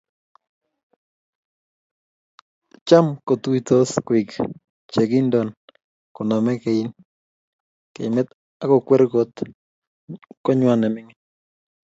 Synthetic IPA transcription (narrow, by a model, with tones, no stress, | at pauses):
t͡ʃa˦mko˨twi˦to˦skwɪ˨k | t͡ʃe˨ɡi˦ndɔ˨n | kɔ˨nɔ˨mɛ˦ke˨i˦n | kḛ˨mɛ˦t̪ | a˦kɔ˨kwɛ˦ɾɡo˦t̪ | kɔ˦ɲwa˨nɛ˨mɪ˦ŋɪ˦